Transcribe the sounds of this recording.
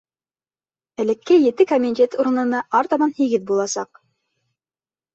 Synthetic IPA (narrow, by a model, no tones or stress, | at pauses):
ɘ̆lɘ̆kːɘjɘ̆t̪ɘkamʲint̪et̪uɾɤ̆nɤ̆nɑʔɑɾt̪ɑmɑnhiɡɘðbulˠɑsɑq̚